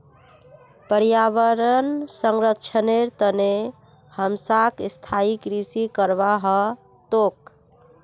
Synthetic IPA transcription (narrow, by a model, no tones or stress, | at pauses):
pəɾjaʋəɾənsəŋɾəkt͡ʃʰəneɾt̪əne | həmsakst̪ʰaikɾisikəɾbaɦə | t̪ok̚